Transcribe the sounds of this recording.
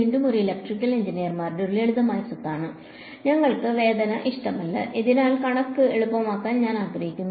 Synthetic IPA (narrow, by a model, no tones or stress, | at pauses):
iːɳɖumoriilɐk̚ʈrikʲːɐliɲd͡ʑinijɐrmaːrɖuɾleɭuðɐmaːjɐsut̪ːaːɳɨ | ɲɐŋːɐɭkɨʋe̞ːd̪ɐnɐʔiʂʈɐmɐlːɐ̰ʔiðinaːlkɐɳɐkːɨe̞ɭupːɐmaːkːaːnɲaːnaːɡrɐjikʲːunːu